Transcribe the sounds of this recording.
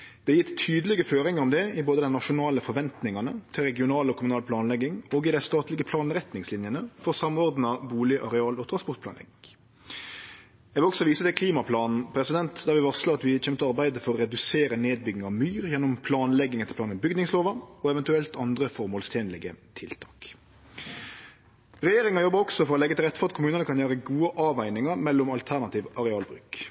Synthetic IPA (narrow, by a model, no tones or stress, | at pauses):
d̪̥ɛjɪt̪t̪ʰːyːd̪əlɪɡəføːɾɪŋəɾɔmd̪ɛɪboːd̪əd̪ɛɪnɑʂʊnɑːləfɔɾʋɛnt̪nɪŋɑnət̪ʰɪlʁɛɡɪʊnɑːlɔkʰʊmʉnɑːlpʰlɑːnlɛɡːɪŋɔːɡɪd̪æɪst̪ɑːt̪lɪɡəpʰlɑːnɾɛt̪nɪŋslɪnjənəfɔsɑmɔɾd̪nɑbuːlɪʔɑɾɛɑːlɔt̪ʰɾɑnspɔʁt̪̚pʰlɑ̰nɛ̰ | jɛɡʋɪlɔksɔʋiːsət̪ɪkʰliːmɑpʰlɑːnn̩pʰɾɛsɪd̪ɛnt̪d̪æʁʋɪʋɑsləɑt̪ʋɪc͡çɛːmət̪ʰəɑɾʁbæɪd̪əfɔɾɔɾɛd̪ʉseːɾəneːd̪̚bʏɡnɪŋɑʋmyːʁjɛnːʊmpʰlɑːnlɛɡːɪŋət̪ʰːəpʰlɑːnəbʏɡd̪nɪŋsloːʋɑɔɛʋɛnt̪ʉɛlt̪ɑnd̪ɾəfɔʁmoːlst̪ʰeːnlɛɡət̪ʰɪlt̪ʰɑ̰ːk | ʁɛjeːɾɪŋɑjɔbːəɾɔksɔfɔɾɔlɛɡːət̪ʰɪlʁɛt̪ːfɔɾɑt̪̚kʰʊmʉːnnəkʰɑnjæːɾəɡuːəʔɑːʋæɪnɪŋɑɾmɛlːʊmɑlt̪ʰæʁnɑt̪ʰiːʋʔɑʁɛɑːlbɾʉ̰ːk